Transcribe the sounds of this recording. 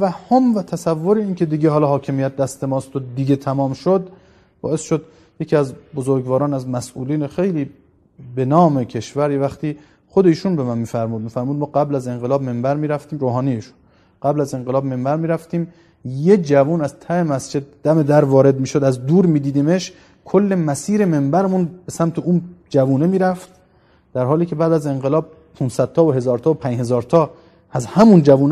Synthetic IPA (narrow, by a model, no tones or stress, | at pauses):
t̪ʰævæhhːomvæt̪ʰæsævːoɾeiːnkʲʰe̞d̪iːɡeɦɒːlɒːɦɒːcʰe̞mijæt̪̚d̪æst̪e̞mɒːst̪od̪iɡe̞t̪ʰæmɒːmʃod̪ | bɒ̰ːesʃod̪ | jecʰʲiːæzbozoɾɡvɒːɾɒːnæzmæsṵːliːnexe̞jliː | be̞nɒːme̞kʰe̞ʃvæɾjevæxt̪iː | χod̪e̞iːʃunbe̞mænmiːfæɾmuːd̪̚miːfæɾmuːd̪̚mɒːɡæblæze̞ŋɢelɒːbmembæɾmiːɾæft̪iːmɾoːɦɒːnijeiːʃu̥n | ɢ̥æblæze̞ŋɢelɒːbme̞mbæɾmiːɾæft̪iːm | jed͡ʒævuːnæzt̪ʰæhemæsd͡ʒe̞d̪̥̚ːæme̞d̪æɾvɒːɾe̞d̪̚miːʃod̪æzd̪uːɾmiːd̪iːd̪iːmeʃ | kʰolːe̞mæsiːɾeme̞mbæɾmunbesæmt̪ʰeund͡ʒævuːne̞miːɾæft̪ | d̪̥æɾɦɒːliːcʰe̞bæːd̪æze̞ŋɢelɒːb̚ | pʰunsæd̪̚t̪ɒːoɦe̞zɒːɾt̪ʰɒːopʰæɲhe̞zɒːɾt̪ʰɒː | æzhæmund͡ʒævuːn